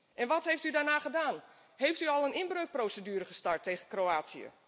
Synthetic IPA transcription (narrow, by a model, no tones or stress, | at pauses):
ʔɛnʋɔtɦejftydaɹnaːɣədaːn | hejftyɔlˠənɪnbrøɥk̚prowsədyːɾəχəstaɹtʰːejɣənkrowaːtsiə̰